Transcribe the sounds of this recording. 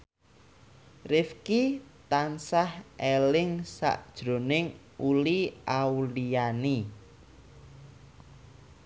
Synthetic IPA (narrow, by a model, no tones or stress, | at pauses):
rɪfkit̪ansahelɪŋsa̰ʔd̥ʒ̥ɾo̤nɪŋ | uliawliani